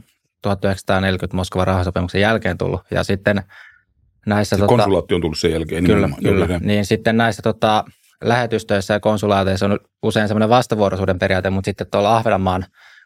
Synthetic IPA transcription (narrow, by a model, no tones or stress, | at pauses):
t̪uhɑt̪ːyheksɑ̥t̪ɑːnelkyt̪moskoʋɑrɑhɑsopimuksejælkeːnt̪ṵlːṵjɑ̰sit̪ːen | næisːæt̪oonsulɑːt̪ːiont̪ulːusejælkeːkylːækylːæniːnsit̪ːennæisːæt̪ot̪ɑ | læhet̪yst̪øisːæjɑkonsulɑːt̪eisːony | useinsemːoneʋɑst̪ɑʋuorosuːdemperiɑːt̪emut̪sit̪ːet̪t̪ːolɑhʋenɑmːɑːn